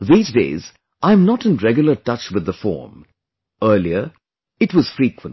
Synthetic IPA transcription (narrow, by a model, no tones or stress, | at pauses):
ðiːzdḛɪz | ʔãɪ̃mnɔtɨ̃nɹɛɡjʊlˠətʌt͡ʃwɨðːəfɔ̰ːm | ɜːliə˞ | ɨtwʌz̥fɹikwə̃n